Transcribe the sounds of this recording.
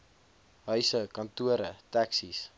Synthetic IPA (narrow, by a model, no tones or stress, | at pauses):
ɦœɥsəkɐntuəɾətæksis